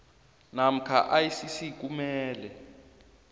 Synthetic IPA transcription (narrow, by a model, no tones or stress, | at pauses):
nam̩kʰa̰ʔajisisik̬ʼumɛːlɛ